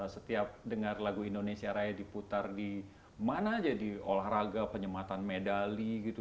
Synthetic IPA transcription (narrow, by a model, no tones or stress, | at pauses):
sət̪iap̚dəŋarlaɡuindonesiaɾajadiput̪ardi | manad͡ʒadiolahraɡapəɲəmat̪anmedaliɡit̪u